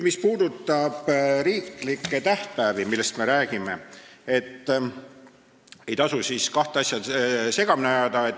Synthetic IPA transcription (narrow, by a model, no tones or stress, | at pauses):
mispuːd̪ut̪ːˑɑb̥ɾiːklikːˑe̞t̪æht̪̚pæːvimilːe̞st̪me̞ɾæːɡ̥ime̞et̪ː | e̞jt̪ɑsusiːskɑht̪eɑsʲjɑd̪se̞ɡ̥ɑminejɑd̪ɑet̪